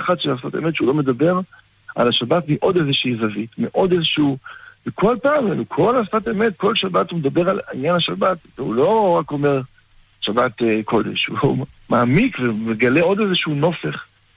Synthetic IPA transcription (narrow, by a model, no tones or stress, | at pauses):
χat̪ʃelasfateme̞t̪ʃeulo̞me̞d̪abe̞ʁ | a̰laʃabatmiʔo̞d̪ezeʃiizavitmeʔo̞d̪ezeʃuvekʰo̞lpaːmenukʰo̞lasfat̪eme̞t̚ko̞lʃabatumed̪abe̞ʁalinjanaʃabat̪veulo̞ʁako̞meʁ | ʃabat̪kʰo̞d̪ḛʃṵumaːmikvemeɡaleo̞d̪ezeʃuno̞fe̞χ